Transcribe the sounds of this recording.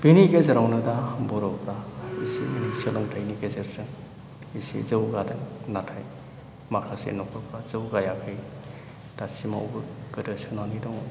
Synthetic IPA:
b̥iniɡezeɾawnɯdabɔɾɔpɾaisḭinisɯlɯŋtʰajniɡezeɾzɯŋ | isḭzɯwɡadɯŋnatʰaj | makʰasḛnɔkʰɯpɾazɯwɡajakʰɯj | tasima̰w̰bɯɡ̥ɯdɯsɯnanidɔŋ

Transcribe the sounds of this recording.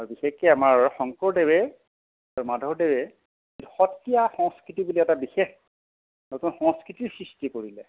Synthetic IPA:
aɹubixekɛamaɹxɔŋkɔɹdewɛ | aɹumadʱɔɹdewɛ | etuxɔtːijaxɔŋskɹitibuliɛtabixex | notunxɔŋskɹitiɹsɹistikoɹilɛ

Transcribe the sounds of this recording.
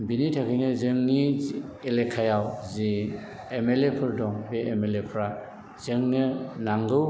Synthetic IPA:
binitʰakʰɯjnɯzɯŋnielekʰajawzi | emelepʰɯɾdɔŋbeemelepʰɾa | z̥ɯŋnɯnaŋɡɯ

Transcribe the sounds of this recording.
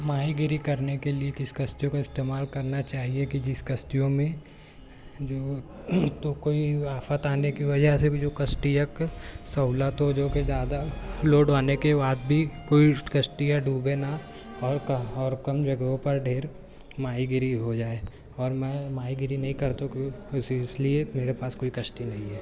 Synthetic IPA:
maːiɡɪɾikɐɾnekeliekɪsi̥kɐst̪ijõkaɪst̪eːmaːlkɐɾnat͡ʃaːɦiekid͡ʒɪskɐst̪ijõmẽ | d͡ʒoː | t̪okoːiaːfət̪aːnekiʋɐd͡ʒəɦsed͡ʒoːkɐsʈijəksɐʊlat̪od͡ʒoːked͡ʒjaːd̪aloɖaːnekebaːd̪̚bʱikoːikɐsʈijaɖuːbena | ɔːɾkɔːɾkɐmd͡ʒɐɡõpɐɾɖʱeːɾ | maːiɡɪɾiɦod͡ʒaːe | ɔːɾmɛ̃ːmaːiɡɪɾinɐɦĩkɐɾt̪õkissliemeːɾepaːskoːikɐsʈ̪inɐɦĩɦɛː

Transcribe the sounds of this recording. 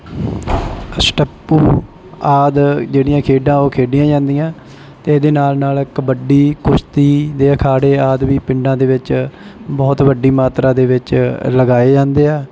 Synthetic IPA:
əsʈəpːuː | aːd̪d͡ʒeːɽijãːkʰeːɖãːoːkʰeːɖɪjãːd͡ʒãːnd̪ijãː | t̪eːd̪eːnaːlnaːlkəbəɖiːkʊʃt̪iːd̪eːəkʰaːɽeːaːd̪ʋiːpɪ̃ɳɖãːd̪eːʋɪt͡ʃbɔːt̪ʋəɖːiːmaːt̪ɾaːd̪eːʋɪt͡ʃləɡaːeːd͡ʒãːnd̪eːɛː

